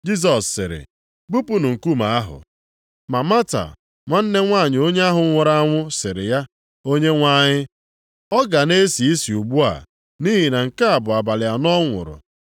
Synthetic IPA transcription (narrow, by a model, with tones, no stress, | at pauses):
d͡ʒi˦s̬ɔ˨sːɪ˨ɾɪ̰˨ | ɡ͡bu˦pu˦nʊ˨ŋ̩˨ku˦ma˨a˦ɦʊ̰˨ | ma˨ma˦ta̰˨ | ŋʷa˦n̩˦ne˦ŋʷa˦˨ɲɪ˨o˦ɲe˦a˦ɦʊ˨ŋʷʊ˨ɾa˦a˦ŋʷʊ˦sɪ˨ɾɪ̰˨ja˦ | o˦ɲe˦ŋʷa˦ɲɪ˦ | ɔ˦ɡa˨ne˦si˨i˦si˨u˨ɡ͡bu˦a̰˨ | ni˦ɦi˨na˨ŋ̩˨ka˦a˨bʊ˨a˨ba˨lɪ˨ja˨nɔ˦ŋʷʊ̰˨ɾʊ̰˨